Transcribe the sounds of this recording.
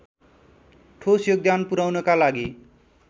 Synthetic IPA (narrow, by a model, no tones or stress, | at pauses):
ʈʰosjoɡ̚d̪anpuɾawnʌkalaɡi